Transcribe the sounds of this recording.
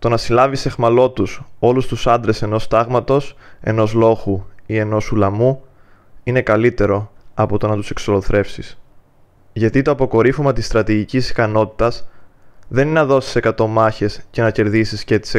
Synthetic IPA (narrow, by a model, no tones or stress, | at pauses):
t̪o̞nɐsilɐvise̞ɣmɐlo̞t̪uso̞lust̪usɐnd̪ɾe̞se̞no̞st̪ɐɣmɐt̪o̞se̞̰no̞zlo̞xuie̞no̞sulɐmu | ine̞kɐlit̪e̞ɾo̞ɐpo̞t̪o̞nɐt̪use̞ksolo̞θɾe̞fsis | ʝɐt̪it̪o̞ɐpoko̞ɾifumɐt̪ist̪ɾɐt̪iʝicisi̥kɐno̞t̪i̥t̪ɐs | ðe̞ninɐðo̞si̥se̞kɐt̪o̞mɐçe̞sce̞nɐce̞ɾðisiscet̪i̥se